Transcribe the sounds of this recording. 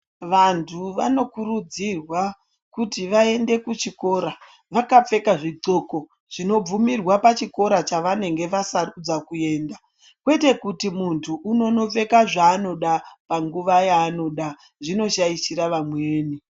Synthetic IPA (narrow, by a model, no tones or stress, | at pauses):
ʋantʰuʋa̰no̞kuɾud͡zirwa | kutiʋae̞nde̞kut͡ʃiko̞ɾa | ʋakap͡fe̞kaʐiǀo̞ko̞ | ʐ̥ino̞b͡vumirwapat͡ʃiko̞ɾat͡ʃaʋane̞ŋɡe̞ʋasarud͡zakue̞ːnda | kwe̞te̞kutimuntʰuʔːno̞no̞p͡fe̞kaʐaːno̞ɗapaŋɡuʋajaːno̞ɗa | ʐino̞ʃaisiɾaʋamweːni